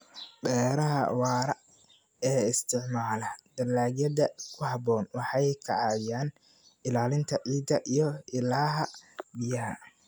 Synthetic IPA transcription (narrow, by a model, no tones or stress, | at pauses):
bɛːɾɐɦɐ̰wɑːɾɐ | ɛːɪst̪ʰɪʕmaːlɐd̪ɐlaːɣjɐd̪ɐkʰʊɦɑbɔːnwɑħɑjkʰɐ̰ʕɑːjaːn | ɪlaːlɪnt̪ʰɐʔʕiːd̪ɐʔijɞɪlaːɦɐbɪjɐɦɐ